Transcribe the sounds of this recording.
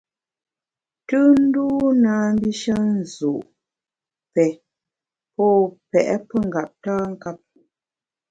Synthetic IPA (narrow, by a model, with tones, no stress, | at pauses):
tɨ˦n̩˦duː˦naː˨˦m˦bi˦ʃə˦n̩˨zu˨ʔ | pɛ˨ | pɔ˦˨pɛ˨ʔɛ̰˦pə˦ŋ˨ɡa˨p̚taː˦ŋ̩˦ka˦p̚